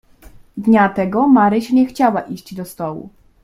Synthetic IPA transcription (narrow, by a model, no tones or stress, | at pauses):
d̪ɲat̪ɛɡɔmaɾɘɕɲɛxt͡ɕawaʔiɕd͡ʑd̪ɔst̪ɔwṵ